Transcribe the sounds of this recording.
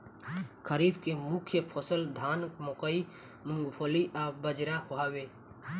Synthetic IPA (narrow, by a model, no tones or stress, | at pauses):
kʰəɾibkemʊkʰjəpʰɔsəld̪ʱaːnmokəi | mʊŋɡpʰoliʔabəd͡ʒɾahoawe